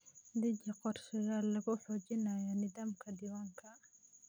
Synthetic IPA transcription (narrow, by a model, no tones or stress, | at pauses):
d̪ɪd͡ʒɐqɔrʃɐjalɐɣʊħɔːt͡ʃɪnajɐnɪðaːmkʰɐɖɪwaːŋkʰɐ